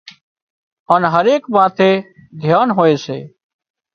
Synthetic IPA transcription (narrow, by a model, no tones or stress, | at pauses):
əːnɦəɾeːkmãːt̪ʰeːd̪ʱjaːnɦoːeːsḛː